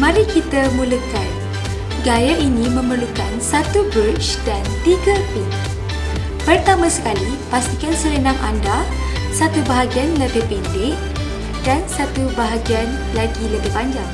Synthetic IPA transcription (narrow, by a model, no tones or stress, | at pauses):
malikit̪amũləkan | ɡajaʔinĩmə̃mərlukansat̪ubut͡ʃdant̪iɡapɪŋ | pərt̪amãsə̥kali | past̪ikansəɾənãŋʔa̰nda | sat̪ubaɦaɡianləbɪhpindɪh | dansat̪ubaɦaɡian | laɡiləbɪhbaɲd͡ʒaŋ